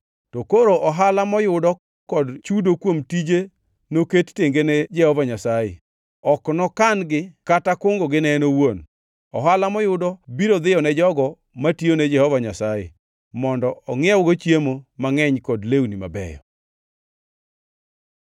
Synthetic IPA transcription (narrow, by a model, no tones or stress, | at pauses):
tɔkoɾoʔɔɦalamɔjʊdɔ | kɔdt͡ʃudokwomtid͡ʒe | noketteŋɡened͡ʒɛhɔvaɲasajḛ | ɔknɔkanɡɪkatakʊŋɡoɡɪnɛnowon | ɔɦalamɔjʊdɔbiɾod̪ɪjɔnɛd͡ʒɔɡɔ | mationɛd͡ʒɛhɔvaɲasajḛ | mɔndɔɔŋɪɛwɡot͡ʃjemomaŋɛɲkɔdlewnima̰bɛ̰jɔ̰